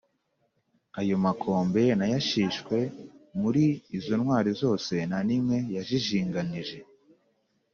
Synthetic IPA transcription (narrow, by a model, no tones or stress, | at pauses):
ajo̞makʰo̞ːmbe̞najaʃiːʃkwe̞muɾiːzo̞nwaːɾizo̞ːse̞nanimŋe̞jaʒiʒiːŋɡaniʒe̞